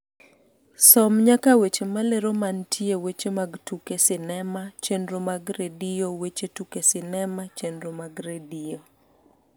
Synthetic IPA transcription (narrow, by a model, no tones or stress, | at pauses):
sɔmɲakawet͡ʃemaleɾomantʰiewet͡ʃemaɡtukesɪnɛmat͡ʃendɾomaɡɾediowet͡ʃetukesɪnɛmat͡ʃendɾomaɡɾedio